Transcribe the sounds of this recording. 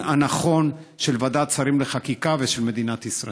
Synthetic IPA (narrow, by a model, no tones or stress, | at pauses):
anaχo̞nʃe̞lvad̪at͡saɾimleχakikaveʃe̞lme̞d̪inat̪isʁa̰